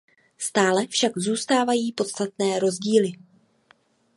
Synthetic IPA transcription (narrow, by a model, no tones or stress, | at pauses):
st̪aːlɛfʃaɡzuːst̪aːvajiːpo̞t̪st̪at̪nɛːɾo̞zɟiːlɪ